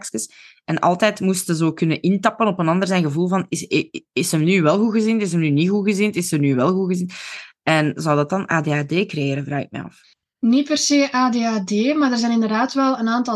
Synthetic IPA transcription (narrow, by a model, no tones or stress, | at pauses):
kskəsʔɛnʔɑ̰lˠtɛːtmustənzoːkʏnənʔɪntɑpənɔpənɑndərzɛjnɣəvulˠvɑnɪsɪsəmnyːʋɛlˠɣuɣəzintɪs̬əmnyniɣuɣəzɪntɪsəmnyʋɛlˠɣuɣəzinɛnzɑwdɑt̚ɑna̰ːdeːaːdeːkrejeːɾənvraːxɪ̰k̚mɛ̰ɑ̰f | nit̚pɛrseːʔaːdeːaːdeːmaːrdərzɛːjnɪndərdaːtʋɛlˠənaːntɑ